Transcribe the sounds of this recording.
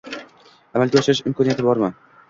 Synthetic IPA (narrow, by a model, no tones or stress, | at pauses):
amalɡʲaɒʃɪɾɪʃɪmkʰɒnijat̪ʰɪbɒɾman